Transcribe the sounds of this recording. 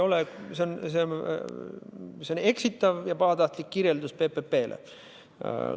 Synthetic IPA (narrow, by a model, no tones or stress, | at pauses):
o̞leseonsen | seone̞ksit̪ːˑɑvjɑpɑɦɑt̪ɑht̪likːiɾje̞ld̪uspe̞pepːe̞ːlʔḛ